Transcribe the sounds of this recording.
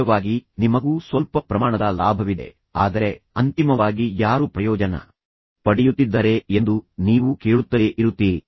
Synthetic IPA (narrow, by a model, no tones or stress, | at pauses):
ɐʋaːɡinimɐɡuːsʋɐlpɐpɾɐmaːɳɐd̪ɐlaːbʱɐʋid̪e̞̰ | a̰ːd̪ɐɾe̞ɐnt̪imɐʋaːɡijaːɾupɾɐjɔːd͡ʒɐnɐ̰ | pɐɽijut̪ːid̪ːɐɾe̞end̪uniːʋuke̞ːɭut̪ːɐeʔiɾut̪ːi